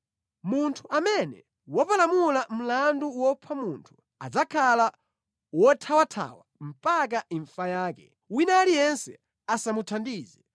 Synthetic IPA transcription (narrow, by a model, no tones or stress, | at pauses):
muntʰuamɛnɛ̰ | wɔpalamulam̩landuwɔpʰamuntʰu̥ | a̰d͡zakʰala | wɔtʰawatʰa̰wam̩pak̬aiɱfajaːkɛ | winalijɛnsɛ | asamutʰandiːzɛ